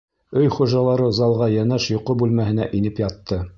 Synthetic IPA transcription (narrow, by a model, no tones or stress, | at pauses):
ɵjχuʒɑlˠɑɾɤzɑlˠʁɑjænæʃjŏqobʉlmæhɘ̆næ̰ʔinɘpjɑt̪ːɤ